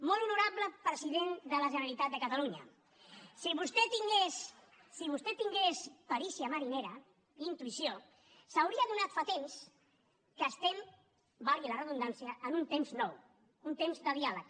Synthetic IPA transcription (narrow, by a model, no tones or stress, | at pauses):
mɔlˠunuɾapləpɾəziðend̪ələʒənəəlit̪at̪̚d̪əkət̪aluɲə̰ | siβust̪et̪iŋɡesː | iβ̞ust̪ɛt̪iŋɡespəɾisiəməɾineɾə | int̪uisio | səwɾiəðunat̪fat̪ems | kəːst̪ɛm | balˠɣilərəðund̪ansiəːnunt̪emznɔw | unt̪emzd̪əðialək